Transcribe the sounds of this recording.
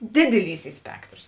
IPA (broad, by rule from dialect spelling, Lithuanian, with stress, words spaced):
dʲɪdʲɪˈlʲiːs ˈiː ˈsʲpʲæːktroːs